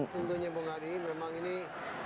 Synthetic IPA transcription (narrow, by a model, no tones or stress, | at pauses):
sund̪uɲabəŋaɾimemaŋini